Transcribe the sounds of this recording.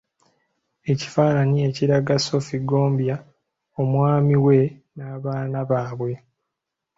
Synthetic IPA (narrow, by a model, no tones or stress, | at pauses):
e̞ci̥faːnanie̞ciɾaɡaso̞fiɡo̞ːmbja | o̞mwaːmiwe̞ | naːβaːnaβaːβwe̞